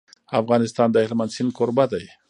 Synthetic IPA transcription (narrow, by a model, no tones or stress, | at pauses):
afɣɑːnɪst̪ɑːnd̪ahelmand̪sinkoɾbad̪aj